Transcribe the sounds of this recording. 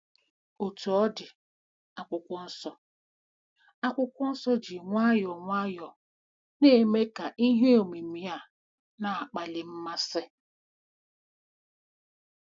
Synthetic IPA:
o˨tu˨ɔ˦dɪ˨ | a˨kʷʊ˦kʷɔ˦n̩˦sɔ˦ | a˦kʷʊ˦kʷɔ˦n̩˦sɔ˦d͡ʒi˨ŋʷa˦jɔ˨ŋʷa˦jɔ˨ | ne˦me˦ka˨ʔi˦ɦe˦o˨mi˨mi˨ja˦˨ | na˨a˨k͡pa˨lɪ˨m̩˦ma˦sɪ˦

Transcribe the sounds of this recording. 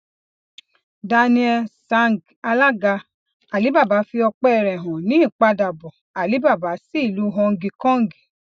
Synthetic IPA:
da˧nĩ˧ɛ˧sa˦ŋ˨ɡ | a˧la˦ɡa˧ | a˨li˨˦ba˦˨ba˨˦fi˧ɔ˧k͡pɛ˦˧ɾɛ˨ɦɔ̃˨nĩ˨˦i˦˨k͡pa˧˦da˨bɔ˨ | a˨li˨˦ba˦˨ba˨˦si˦i˦˨lu˨˦ɦɔ̃˧ŋ̩˧ɡi˧kɔ̃˦ŋ̩˦ɡi̥˨

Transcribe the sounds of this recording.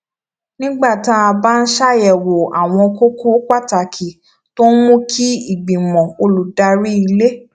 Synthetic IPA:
nĩ˦ɡ͡ba˦˨ta˦a˧ba˦n̩˦ʃa˦jɛ˨wo˨a˨w̃ɔ̃˧ko˦ko˦k͡pa˦˨ta˨kʰi˨ | to˦mũ˦kʰi˦i˦˨ɡ͡bĩ˨mɔ̃˨o˧lu˨da˧ɾi˦i˧le˦

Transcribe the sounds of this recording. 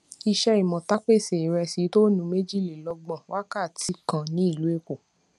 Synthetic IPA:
i˧ʃɛ˧i˨mɔ̃˨ta˦k͡pe˦˨se˨i˨ɾɛ˧si˨˦to˦nũ˨˦me˦d͡ʒi˦˨le˨lɔ˧ɡ͡bɔ̃˨wa˦ka˦˨tʰi˨˦kã˨nĩ˨˦i˦˨lu˨˦e˦˧ko˨

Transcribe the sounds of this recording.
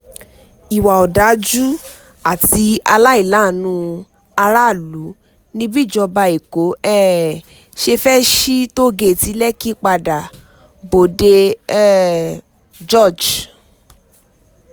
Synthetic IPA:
i˨wa˨ɔ˨da˨˦d͡ʒu˦ | a˦˨ti˧a˧la˦i˦˨la˨˦˨nũ˧˦ | a˧ɾa˦˨lu˨˦ | nĩ˦bi˦˨d͡ʒɔ˧ba˧i˨ko˨˦ɛ˦ | ʃe˧fɛ˦ʃi˦to˦˨ɡe˧˨ti˧˦lɛ˦ki˦k͡pa˧da˨ | bo˨de˧ɛ˦ | d͡ʒɔ˦˨d͡ʒ

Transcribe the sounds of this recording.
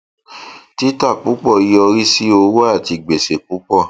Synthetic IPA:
ti˦ta˦˨k͡pu˨˦k͡pɔ˦˨i˨˧jɔ˧ɾi˦si˦o˧wo˦a˦˨ti˧ɡ͡be˨se˨k͡pu˨˦k͡pɔ˦˨

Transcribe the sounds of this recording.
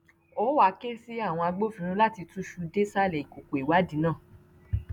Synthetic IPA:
o˨˦wa˧˦ke˦si˦a˦˨w̃ɔ̃˧a˧ɡ͡bo˦fĩ˦ɾ̃ũ˧˦la˦˨ti˧tũ˦ʃu˧de˦sa˦lɛ˨i˨ko˨ko˨i˨wa˨˦di˨˦nãː˦˨

